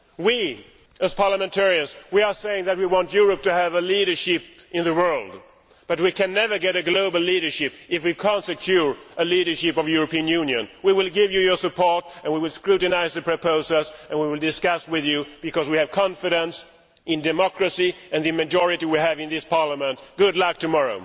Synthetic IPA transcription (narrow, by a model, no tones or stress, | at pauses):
wi | ɨz̥pʰɑɹləmɨ̃ntʰɛɹiɨ̃nzwiə˞seɪɪ̃ŋðɨt̚wiwɑ̃ntjʊɹɨp̚tɨːvəliɾə˞ʃɪp̚ɨ̃nðɨwɜ˞lˠd | b̥ʌt̬̚wikɨ̃nːɛvə˞ɡɛɾɨɡloʊbl̩ˠliɾə˞ʃɪpɨfwikʰæ̃ntsɨkʰj̥ʊɹəliɾə˞ʃɪpʌvjuɹɨpĩɨ̃njʉ̃njɨ̰̃nwiwɪlˠɡɪvjɨjə˞sɨpʰɔɹɾɨ̃nwiwɪlˠskɹʉɾɨnaɪzðɨpʰɹ̥ɨpʰoʊsəsɨ̃nwiwɪlˠdɨskʌswɪðjʉb̥ɨkʌzwiɨv̥kʰɑ̃ɱfɨɾə̃ns | ɨ̃ndɨmɑkɹɨsiɨ̃nðɨmɨd͡ʒɔɹɨɾiwiɨvɨ̃nðɪspʰɑɹləmə̃nt̚ɡ̥ʊdˡlʌk̚tʰɨmɑɹoʊ